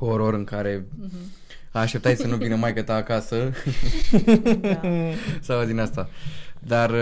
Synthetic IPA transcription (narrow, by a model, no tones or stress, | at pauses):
oɾo̞ɾɨŋkaɾe̞ | aʃt̪ept̪assənuvinəmajkət̪aːkasə | sawd̪inast̪ad̪ar